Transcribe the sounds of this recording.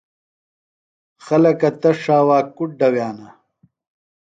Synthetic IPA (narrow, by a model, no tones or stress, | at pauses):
xɐlɐkɐt̪ɐʂaːwaːkuʈ̚ɖɐwjaːnɐ